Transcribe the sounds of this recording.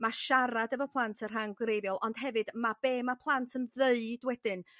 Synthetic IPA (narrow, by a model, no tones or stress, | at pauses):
maʃaɾadəvɔpʰlˠantʰər̥ɦanɡwɾejvjɔlˠʔɔnd̥ɦɛvɨd̥mab̥eːmapʰlˠantʰənðeɨd̥wɛd̥ɨn